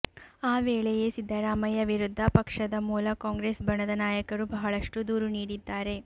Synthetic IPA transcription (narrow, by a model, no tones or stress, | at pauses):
aːʋeːɭeje̞sid̪ʱːɐɾaːmɐjɐʋiɾud̪ʱːɐpɐkʂɐd̪ɐmuːlɐkaːŋɡɾeːsbɐɳɐd̪ɐnaːjɐkɐɾubɐɦɐɭɐʂʈud̪uːɾuniːɽid̪ːaːɾe̞